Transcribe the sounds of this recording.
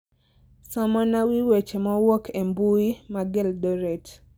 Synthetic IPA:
sɔmɔnawiwet͡ʃemɔwokʰembuimaɡɛldɔɾɛt

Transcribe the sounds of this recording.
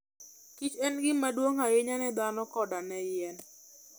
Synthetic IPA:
kit͡ʃɛnɡɪmadwoŋajɪɲanɛd̪anɔkɔdanɛjɛn

